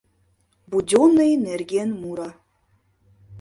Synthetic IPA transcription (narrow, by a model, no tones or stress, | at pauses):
budʲonejnerɡʲenmuɾa